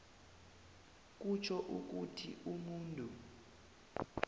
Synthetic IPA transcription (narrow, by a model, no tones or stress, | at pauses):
k̬ʼut͡ʃʰɔʔuk̬utʰiʔumuːntʼu